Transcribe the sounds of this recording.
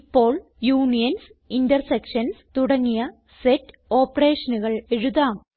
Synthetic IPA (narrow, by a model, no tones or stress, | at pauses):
pːo̞ːɭ | juːnijɐns | indɐrsekʂɐnst̪uɽɐŋːijɐ | setː | o̞ːpːɐre̞ːʂɐnuɣɐɭeɻuðaːm